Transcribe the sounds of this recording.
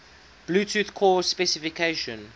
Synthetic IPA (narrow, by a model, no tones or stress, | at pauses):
b̥luːtʰuːθkʰɔspɛsɪfikʰeʃɔ̃n